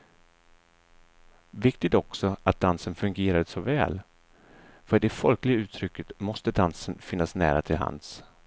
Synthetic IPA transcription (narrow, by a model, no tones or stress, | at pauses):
vɪkt̪ɪt̪ɔksɔat̪̚d̪ansənfɵŋɡeːɾad̪əsɔvɛ̰ːl | fœɖɛfɔlklɪɡaʉ̟ːt̪ʰɾʏkːət̪mɔst̪əd̪ansənfɪnːasnæ̰ːɾa̰t̪ʰɪlɦa̰ns